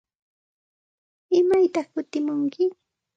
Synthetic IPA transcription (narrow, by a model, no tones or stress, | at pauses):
ɪmajt̪ɑχkʊt̪ɪmʊŋkɪ